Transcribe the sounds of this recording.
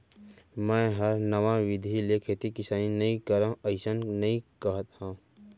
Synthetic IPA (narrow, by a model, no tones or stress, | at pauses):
mɛ̃ːɦəɾnəʋãʋɪd̪ʱilekʰeːt̪ikɪsaːninɐĩkəɾãəɪsənnɐɦĩkəɦət̪hãː